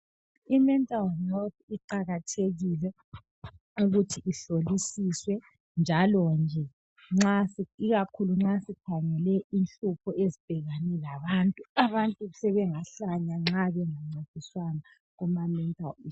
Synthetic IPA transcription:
imɛntʼalnot̪̚ʰiǃaɣatʰeɣilɛ | uɣutʰiʔiɬolisiswɛ | nd͡ʒʱalɔnd͡ʒʱɛ | ŋ͡ǁasiiɣakʰuluŋ͡ǁasikʰaŋɛlɛʔinɬupʰɔezib̥ʱɛɣanɛlaβantʼuaβantʼuusɛβɛŋaɬaɲaŋ͡ǁaβɛŋaŋ͡ǀetʼiswana | ɣumamɛntʼali

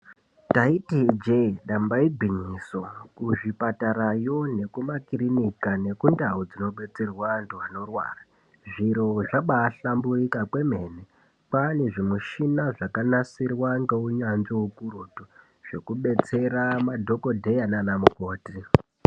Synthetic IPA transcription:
taitid͡ʒeɗambaibʱiɲiswakuʐipataɾajo̞ne̞kumakirinikane̞kundaud͡zino̞ɓe̞t͡se̞rwantuano̞rwa̰ːra | ʐiɾoʐaɓaːɬambuikakwe̞me̞ne | paneʐimuʃinaʐakanasirwaŋɡeuɲanzoukuɾutu | ʐ̥e̞kuɓe̞t͡se̞ɾamadʱo̞ko̞dʱe̞jananamuko̞ːti

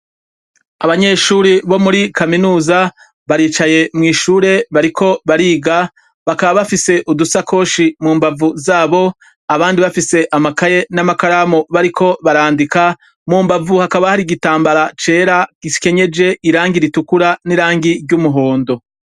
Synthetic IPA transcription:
aβaɲe̞ʃuːɾiβo̞muɾikaminuːza | βaɾiːt͡ʃaje̞mŋiːʃuɾe̞βaɾikʰo̞βaɾiːɡa | βakaβaβafise̞ʔudusakʰo̞ʃimuːmbavuzaːβo̞ | aβaːndiβafise̞ʔamakaje̞namakaɾamoβaɾikʰo̞βaɾaːndika | muːmbavuhakaβahaɾiɡitaːmbaɾat͡ʃe̞ːɾaɡi̥ke̞ɲe̞d͡ʒe̞iɾaːŋɡiɾitukuɾaniɾaːŋɡiɾɟumuɦo̞ːndo̞

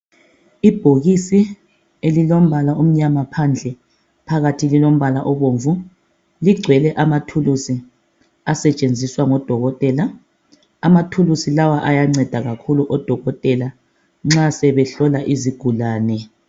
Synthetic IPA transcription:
ib̥ʱoɣisi | elilom̩βalaum̩ɲamapʰand͡ɮʱɛ | pʰaɣatʰililom̩βalaʔɔβoːɱvu | liɡ͡ǀʱwɛlɛʔamatʰulusi | asɛt͡ʃʼend͡zʱiswaŋɔd̥ʱɔɣɔtʼɛːla | amatʰulusilawaʔajaŋ͡ǀɛd̥ʱaɣakʰuluʔɔd̥ʱɔɣɔtʼɛla | ŋ͡ǁasɛβɛɬɔlaʔiziɡ̥ʱulaːnɛ

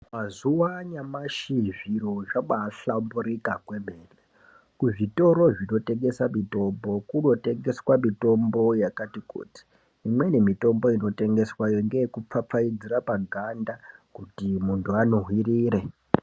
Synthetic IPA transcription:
mazuwaɲamaʃiʐiɾoʐamaɬambuɾikakwe̞me̞ːle | kuʐito̞ɾo̞ʐino̞te̞ŋɡe̞samito̞mbo̞kuno̞te̞ŋɡe̞swamito̞mbo̞jakatikṵːti̥ː | mwe̞ne̞mito̞mbo̞ino̞te̞ŋɡe̞swajoŋɡejekup͡fap͡faid͡zirapaɡʱandakutimuntʰuano̞ɦwiriːɾe

